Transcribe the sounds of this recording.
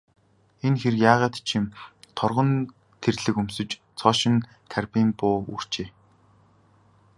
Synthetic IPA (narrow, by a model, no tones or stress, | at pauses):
enxerjaːʁaːt̪t͡ɕʰimt̪ʰɔrʁɞ̆n | t̪ʰerɮɘ̆kɵmsɵ̆t͡ɕ | t͡sʰɔːʃɪ̆n | k̪ʰærpiːmpʊːṵr̥t͡ɕeː